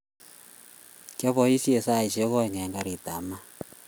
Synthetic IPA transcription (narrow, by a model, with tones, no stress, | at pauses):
ka˦βɔ˨i˦si˦ɛ˨sa˦˨i˨ʃɛ˦ɣɔ˦˨ɲɛ˨ŋɡa˦ɾi˨t̪a˨ma˦